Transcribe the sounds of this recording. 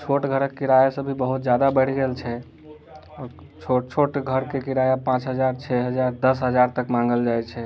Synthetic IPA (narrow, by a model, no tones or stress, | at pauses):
t͡ʃʰoʈɡʱəɾəkːiɾajasəbʱibəɦut̪d͡ʒjad̪abəɽ̤ɡelt͡ʃʰɛ | t͡ʃʰot͡ʃʰoʈɡʱəɾkekiɾajapãt͡ʃɦəd͡ʒaɾt͡ʃʰɛɦəd͡ʒaɾd̪əsɦəd͡ʒaɾt̪əkmãŋ̆ɡəld͡ʒajt͡ʃʰɛ